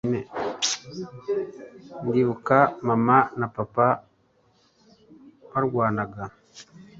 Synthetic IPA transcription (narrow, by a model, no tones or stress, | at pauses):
ne | ndiβukamamanapapa | βaɾɡwaːnaɡa